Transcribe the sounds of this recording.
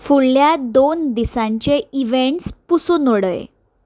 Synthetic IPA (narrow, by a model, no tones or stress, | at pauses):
fuɭljad̪ond̪isãɲt͡ɕeiʋeɳʈspusunoɽə̰j̰